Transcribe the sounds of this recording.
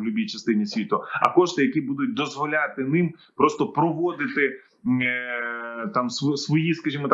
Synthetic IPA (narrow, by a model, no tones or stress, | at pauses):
lʲʊbʲijt͡ʃɐst̪ɪnʲisʲʋʲit̪ʊɐ̰kɔʃt̪ɪjɐkibud̪ʊt̚ʲd̪ɔzʋɔlʲat̪ɪnɪmpɾɔst̪ɔpɾɔʋɔd̪ɪt̪ɪ | t̪ɑmsʋɔsʋɔjiskɐʒʲimɔt̪